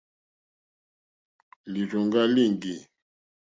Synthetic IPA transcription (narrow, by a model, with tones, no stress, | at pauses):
li˨ʒɔ˨ŋɡa˦li˦˨ŋɡi˨